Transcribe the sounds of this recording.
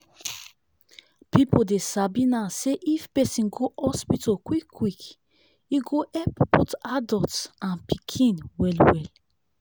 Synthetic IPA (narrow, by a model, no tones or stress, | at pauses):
pipodesabĩnãseʔifpɛsĩnɡoʔɔspitɔkwikːwik | iɡoʔɛppɔtadɔtsãnpikʰĩnwɛlwɛl